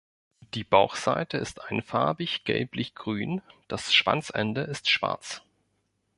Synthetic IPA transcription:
d̥iːbaʊxz̥a̰ɪtʰəɪstʔaɪnfaɐbɪçɡ̥ɛ̰lplɪçɡ̥ʁyːnd̥asʃv̥a̰nt͡sʔɛ̰ndəʔɪstʃv̥a̰ɐt͡s

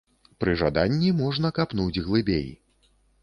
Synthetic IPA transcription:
pɾɨʐad̪anʲːimɔʐnɐkapnud͡zʲɣlˠɨbʲḛj

